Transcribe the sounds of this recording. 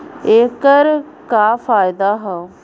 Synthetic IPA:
eːkəɾ | kaːfaːɪd̪aɦɛ

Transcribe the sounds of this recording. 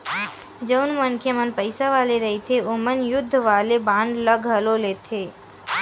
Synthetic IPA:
d͡ʒəʊnmənkʰemənpəɪsaʋaːleɾɐɦit̪ʰeomənjʊd̪ʱːʋaːlebãːɳɖləɡʱɦəloleːt̪ʰeː

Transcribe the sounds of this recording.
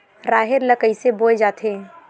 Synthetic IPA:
ɾaːɦeɾləkəiseboːed͡ʒaːt̪ʰe

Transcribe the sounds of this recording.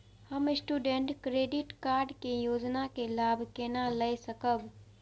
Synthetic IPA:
həmɪsʈuːɖẽɳʈkɾeːɖɪʈkaːɾɖkijoːd͡ʒnakelaːbʱkenaləesəkəb

